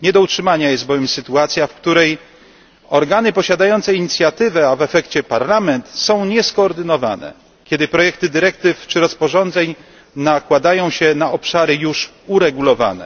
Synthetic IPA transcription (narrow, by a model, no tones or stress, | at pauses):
ɲɛd̪ɔutʂɘmaɲajɛst̪̚bɔvʲjɛmsɘt̪uat̪sʲjafkt̪uɾɛj | ɔɾɡanɘpɔɕad̪ajɔnt̪sɛiɲit̪sʲjat̪ɘvɛavɛfɛkt͡ɕɛpaɾlamɛnt̪sɔ̃w̃ɲɛskɔːɾd̪ɘnɔva̰nɛ̰ | kʲɛd̪ɘpɾɔjɛkt̪ɘd̪ɘɾɛkt̪ɘft͡ʂɘɾɔspɔʐɔnd̪zɛɲ | nakwad̪ajɔ̃w̃ɕɛnaʔɔpʂaɾɘjuʂ | uɾɛɡulɔva̰nɛ̰